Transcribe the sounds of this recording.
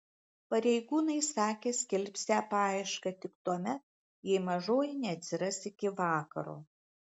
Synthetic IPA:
pɐɾʲɛɪɡuːnɐɪsɑːkʲeːsʲkʲɪlʲpʲsʲæːpɑːɪʃkɐt̪ʲɪkt̪uɔmʲɛt̪̚ | jɛɪmɐʒoːjɪnʲɛɐt̪ʲsʲɪɾɐsɪkʲɪʋɑːkɐɾo̰ː

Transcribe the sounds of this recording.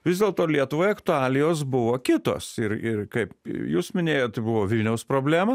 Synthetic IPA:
ʋʲɪzd̪ʲeːlˠt̪oːlʲiɛt̪ʊʋoːjɐkt̪ʊɑːlʲɪjoːs̬bʊʋoːkʲɪt̪o̰ːsɪɾɪrkɐɪpjuːsmʲɪnʲeːjoːt̪bʊʋoːʋʲɪlʲnʲɛʊspɾoːbʲlʲæːmɐ

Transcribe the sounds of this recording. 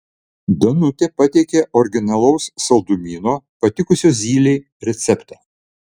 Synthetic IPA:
d̪ɐnʊt̪ʲeːpɐt̪ʲɛɪkʲeʔɔɾʲɡʲɪnɐlˠɐʊsːɐlˠd̪ʊmʲiːnoːpɐt̪ʲɪkʊsʲoːzʲiːlʲeː | ɾʲɛt̪sʲɛpt̪ɐː

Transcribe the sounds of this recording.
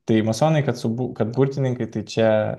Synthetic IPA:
t̪ɐɪmɐsoːnɐɪkɐt̪sʊbukɐt̪̚bʊɾʲt̪ʲɪnʲɪŋkɐɪt̪ɐɪt͡ʃʲɛ

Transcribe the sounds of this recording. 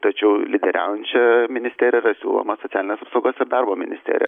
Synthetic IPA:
t̪ɐt͡ʃʲɛʊlʲɪd̪ʲɛɾʲæ̰ˑʊjɛnʲt͡ʃʲɛmʲɪnʲɪst̪ʲeːɾʲrɐsʲṵːlˠo̰mɐsoːt̪ʲæːlʲɪnesɐpsoʊɡoːsɪɾd̪ɑrboːmʲɪ̰nʲɪsʲt̪ʲḛːɾ̰ʲjɛ

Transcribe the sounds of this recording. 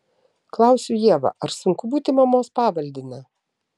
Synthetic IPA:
klˠɑˑʊsʲʊjiɛʋɐ̰ʔɐɾsʊŋkʊbuːt̪ʲɪmɐmoːspɑːʋɐlʲd̪ʲɪnɐ

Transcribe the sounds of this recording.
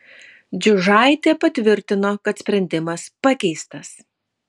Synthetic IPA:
d͡ʒʲʊʒɑˑɪt̪ʲeːpɐt̪ʲʋʲɪɾʲt̪ʲɪnoːkɐt̪sʲpʲɾʲɛnʲd̪ʲɪmɐspɑkʲɛɪst̪ɐs

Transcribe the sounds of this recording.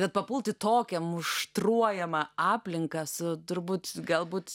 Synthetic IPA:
bʲɛt̪̚pɐpʊlˠt̪ʲɪt̪oːkʲɛmʊʃt̪ruɔjɛmɐɑːpʲlʲɪŋkɐsʊt̪ʊɾbuːt̪ɡɐlˠbuːt̪

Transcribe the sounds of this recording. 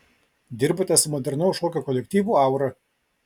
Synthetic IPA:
d̪ʲɪɾbot̪ʲɛsmɔd̪ʲɛɾnɐʊʃoːkʲokɔlʲɛk̚ʲt̪ʲiːʋuːɐˑʊɾɐ

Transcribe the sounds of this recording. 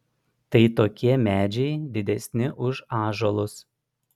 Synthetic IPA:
t̪ɐɪt̪oːkʲiɛmʲæːd͡ʒʲɛɪd̪ʲɪd̪ʲɛsʲnʲɪʔʊʃɑːʒolˠʊs

